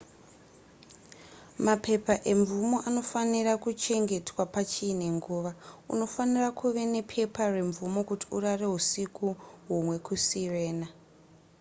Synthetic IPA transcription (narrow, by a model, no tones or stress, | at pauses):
mapʰe̞paʔe̞ɱvumo̞ʔano̞fanirakut͡ʃe̞ŋɡe̞twapat͡ʃiːne̞ŋɡuːʋaṵno̞fanirakʰuʋe̞ne̞pʰe̞pare̞ɱvumo̞kuti̥urare̞ɦusikuɦumwe̞kusire̞ːna